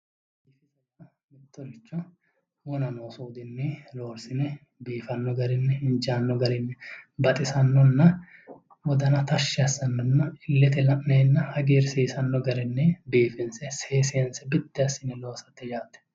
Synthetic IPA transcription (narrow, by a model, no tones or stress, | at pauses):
b | iːfɪsɛkːɐ | mɪt̪ːɔɾɪt͡ʃːɔ | wɔnɐnoːsuːd̪ɪnːɛlo̞ːɾsɪnɛ | biːfɐnːɔɡɐɾɪnːɛɪnd͡ʒaːnːɔɡɐɾɪnːɛbɐt̪ʼɪsɐnːɔnːɐ | wɔd̪ɐnɐt̪ɐʃːɪɐsːɐnːɔnːɐɪlːɛt̪ɛlɐʔneːnːɐhɐɡeːɾseːsɐnːɔɡɐɾɪnːɛbiːfɪnsɛseːsɪɐnsɛbɪt̪ːɪɐsɪnɛlo̞ːsɐt̪ːɪd͡ʒaːt̪ːɛ̥